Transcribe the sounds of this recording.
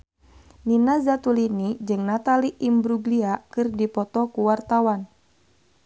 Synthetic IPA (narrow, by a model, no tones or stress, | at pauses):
ninazat̪ulinid͡ʒɨŋnat̪aliʔimbɾuɡliakɨrdipɔt̪ɔkuwart̪awan